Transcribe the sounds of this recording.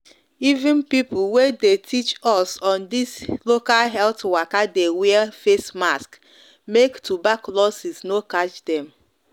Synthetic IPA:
ivɪ̃npipʊlwedetʰit͡ʃɔsɔ̃ndislokalɦɛltwakadeweafesmask | mektʰubaklɔsiznokat͡ʃdɛ̃m

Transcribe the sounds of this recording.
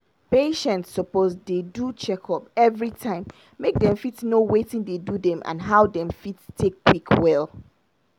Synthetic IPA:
peʃɛ̃ntsːɔpozdedut͡ʃɛkʰɔpɛvɹitʰãɪ̃mː | ek̚dɛ̃ɱfitnowetɪ̃ndedudɛ̃mʔã̰nɦaʊdɛ̃mfitstʰekːwikʰwɛl

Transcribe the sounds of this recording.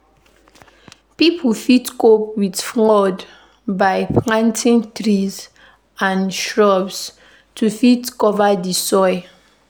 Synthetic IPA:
pipʰufitkop̚widflɔd | baɪplãntʰĩŋtɹiz | ãnʃɹɔbs | tʰufitkɔvadisɔɪ

